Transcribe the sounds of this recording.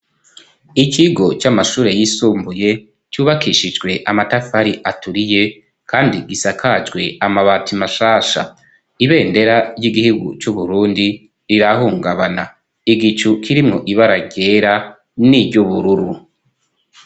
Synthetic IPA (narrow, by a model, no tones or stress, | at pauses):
iciɡo̞t͡ʃamaʃuːɾe̞jisuːmbuje̞ | t͡ʃuːβakiʃid͡ʒɡwe̞ʔamatafaɾiʔatuɾije̞ | kʰaːndiɡisakʰad͡ʒɡwe̞amaβaːtimaʃaːʃa̰ | iβe̞ːnde̞ɾajiɡihuɡṵt͡ʃuβuɾuːndi | ɾiɾaɦuːŋɡaβana | iɡit͡ʃukʰiɾimŋo̞ʔiβaɾaɟe̞ɾa | niɟuβuɾuɾu